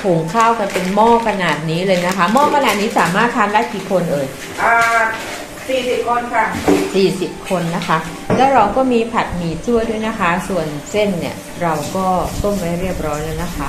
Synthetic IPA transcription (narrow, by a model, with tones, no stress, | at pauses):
pʰoː˩˦ŋkʰaː˥˩wka˧npe˧nmɔː˥˩kʰa˧naː˨˩t̪̚niː˦˥lɤː˧jna˦˥kʰa˦˥mɔː˥˩kʰa˧naː˨˩t̪̚niː˦˥saː˩˦maː˥˩t̪ʰːaː˧mla˦˥˩ki˨˩kʰo˧nʔɤː˧j | ʔaː˧ | siː˨˩si˨˩p̚kʰo˧nkʰa˥˩siː˨˩si˨˩p̚kʰo˧nːa˦˥kʰa˦˥ | lɛː˦˥wɾa˧wkɔː˥˩miː˧pʰa˨˩t̪̚miː˨˩t͡ɕʰu˥˩əjdu˥˩əjna˦˥kʰa˦˥su˨˩ənse˥˩nːi˦˥˩ə | ɾa˧wkɔː˥˩t̪o˥˩ŋma˥˩jɾi˥˩əp̚ɾɔː˦˥jlɛː˦˥wna˦˥kʰa˦˥